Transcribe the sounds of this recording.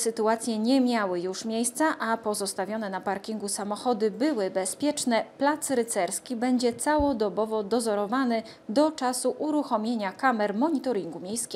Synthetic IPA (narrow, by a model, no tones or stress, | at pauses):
sɘt̪uat̪sʲjɛɲɛmʲjawɘjuʂmʲjejst̪saʔapɔzɔst̪avʲjɔn̪ɛnapaɾkʲiŋɡusamɔxɔd̪ɘbɘwɘbɛspʲjɛt͡ʂnɛplat̪sɾɘt̪sɛɾskʲibɛɲd͡ʑɛt̪sawɔd̪ɔbɔvɔd̪ɔzɔɾɔvanɘ | d̪ɔt͡ʂasuʔuɾuxɔmʲjeɲakamɛɾmɔɲit̪ɔɾʲiŋɡumʲjejskʲɛ